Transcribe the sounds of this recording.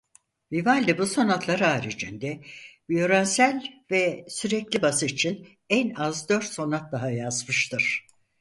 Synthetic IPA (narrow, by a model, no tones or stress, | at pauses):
vivalʲd̪ɛbuso̞nat̪lˠaɾaːɾid͡ʒind̪ɛvijo̞ɾansælʲvɛsyɾɛclʲibasɯit͡ʃʰin | ɛnazd̪ø̞ɾt̪so̞nat̪̚d̪aɦajazmɯʃt̪ʰɯɾ̥